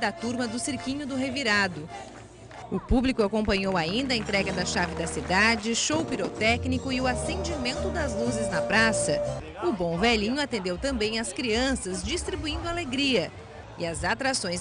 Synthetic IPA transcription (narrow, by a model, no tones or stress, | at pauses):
d̪at̪uɾmɐd̪ʊsiɾkĩɲʊd̪ʊɦeviɾad̪ʊ | ʊpublikʊakõpɐ̃ɲowaĩnd̪ɐẽnt̪ɾɛɡɐd̪ɐʃavɪd̪ɐsid̪ad͡ʒɪʃowpiɾot̪ɛknikʊɪʊasẽnd͡ʒimẽnt̪ʊd̪ɐzluzɪznɐpɾasɐ | ʊbõw̃vɛlĩɲʊat̪ẽnd̪ewt̪ɐ̃mbẽj̃ɐskɾiɐ̃sɐzd͡ʒist̪ɾibuĩnd̪ʊaleɡɾiɐ | ɪɐzat̪ɾasõj̃s